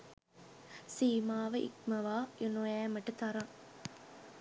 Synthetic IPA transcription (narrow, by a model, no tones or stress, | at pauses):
siːmaːʋɐʔḭkmɐʋaːonoæːmɐʈɐt̪ɐɾɐŋ